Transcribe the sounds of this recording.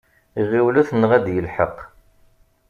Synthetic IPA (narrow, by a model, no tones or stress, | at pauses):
iʁiwluθnəʁæd̪jəlħə̰q